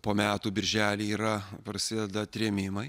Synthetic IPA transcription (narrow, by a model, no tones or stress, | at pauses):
poːmʲæːt̪uːbʲɪɾʲʒʲæːlʲiːiːɾɐpɾɐsʲɪd̪ʲɛd̪ɐt̪ʲɾʲeːmʲɪmɐɪ